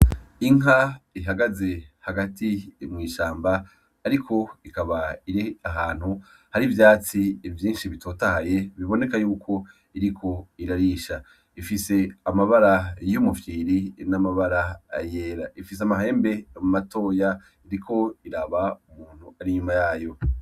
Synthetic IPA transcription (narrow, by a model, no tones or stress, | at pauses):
iŋaiɦaɡaze̞haɡatimŋiːʃaːmbaː | ɾikʰo̞ikaβaiɾiaɦaːn̥hu | haɾivjaːt͡sivjiːnʃiβitʰo̞ːtahaje̞βiβo̞ne̞kajuːkʰo̞ | iɾikʰo̞iɾaɾiʃa | ifise̞amaβaɾajumufiːɾinamaβaɾaːjeːɾaʔifiseamaɦe̞ːmbe̞mumato̞ːja | iɾikʰo̞iɾaβaumuːn̥huaɾiɲumajaːjo̞